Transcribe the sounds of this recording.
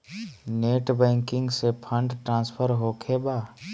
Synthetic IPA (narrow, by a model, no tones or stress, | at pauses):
neːʈbɛ̃ːŋkɪ̃ŋɡsepʰə̃ɳɖʈɾãːnspʰəɾɦoːkʰebaː